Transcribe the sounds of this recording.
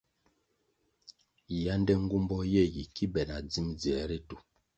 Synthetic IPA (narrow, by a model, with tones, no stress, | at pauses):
ja˦ndɛ˦ŋ̩˦ɡu˦mbɔ˦jɛ˦˨ji˨ki˦bɛ˨na˨d͡zi˦md͡zi˨ɛ˨˦ɾi˦tu˨